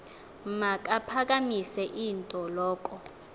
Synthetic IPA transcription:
mak̬ʼapʰak̬amisɛʔintʼɔlɔːk̬ʼɔ

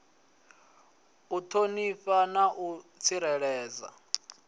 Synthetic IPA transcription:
utʰoniɸanaʔut͡sʰiɾɛɺɛːd͡za̰

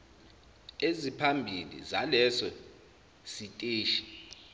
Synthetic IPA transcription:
ezipʰambʱilḭzalɛsɔ | sitʼeːʃi̥

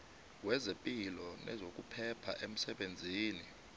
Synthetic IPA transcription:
wɛzepʼilɔnʔɛ̰zok̬ʼupʰɛpʰa̰ʔem̩sɛɓend͡zʱiːni

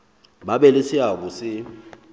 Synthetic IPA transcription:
ɓaɓɛlesɪakusɪ

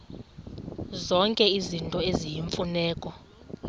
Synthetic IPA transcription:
zɔŋkʼɛizintʼɔezijiɱfunɛːkʼɔ

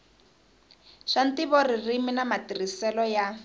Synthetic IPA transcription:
ʃantiβɔririminamatirisɛlɔja

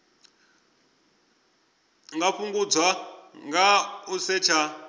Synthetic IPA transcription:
ŋɡaɸuŋɡud͡zwaŋɡausɛt͡ʃʰa

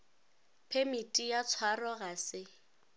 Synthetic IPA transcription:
pʰemitʼijat͡sʰwarɔɣasɪ

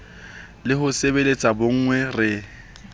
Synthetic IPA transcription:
lɪhʊsebelet͡sʼaboŋ̩ŋwɛrɪ

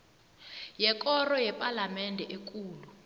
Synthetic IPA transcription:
jɛk̬ʼɔrɔjɛpʼalamɛndʱɛʔek̬ʼuːlu

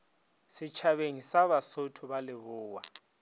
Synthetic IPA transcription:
sɪt͡ʃʰaβeŋisaβasotʰʊβalɪβʊːwa

